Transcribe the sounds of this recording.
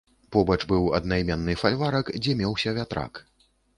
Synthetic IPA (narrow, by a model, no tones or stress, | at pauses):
pɔbɐt͡ʂbɨwɐ̰d̪nɐjmʲɛnːɨfalʲvaɾɐkd͡zʲɛmʲɛwsʲɐvʲat̪ɾa̰k